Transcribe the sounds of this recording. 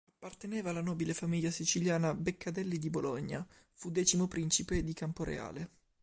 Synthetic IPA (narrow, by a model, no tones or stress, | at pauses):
apːart̪enɛːvaːlːanɔːbilefamiʎːasit͡ʃiljaːnabekʰːad̪ɛlːid̪iboloɲːa̰ | fud̪ɛːt͡ʃimopɾint͡ʃiped̪ikampoɾḛa̰ːle